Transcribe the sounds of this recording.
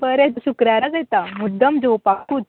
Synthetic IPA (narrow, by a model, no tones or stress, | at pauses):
bəɾesukɾjaɾad͡zaet̪amud̪əmd͡zowpakuːt̪̚